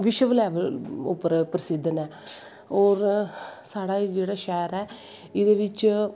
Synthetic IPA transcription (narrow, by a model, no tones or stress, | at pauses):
ʋɪʃəʋlɛːʋəlʊ̰pːəɾpɾəsɪd̪ʱːənɛː | ɔːɾsaːɽaːid͡ʒeːɽaːʃɛːɾɛː | ɪd̪eːʋɪt͡ʃ